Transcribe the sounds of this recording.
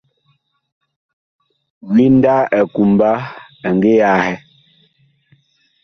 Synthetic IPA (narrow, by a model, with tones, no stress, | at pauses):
wi˦n̩˦da˦ɛ˨ku˨mba˦ | ɛ˨ŋɡe˦ja˦hɛ˦